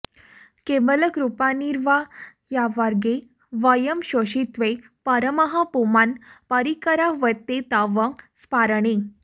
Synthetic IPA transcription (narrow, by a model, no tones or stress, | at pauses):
kebələkɾupaniɾʋa | jaʋaɾɡe | ʋajəmɕoɕit̪ʋe | pəɾəməɦapumanpəɾikəɾaʋət̪ːet̪aʋəŋspaɾɳe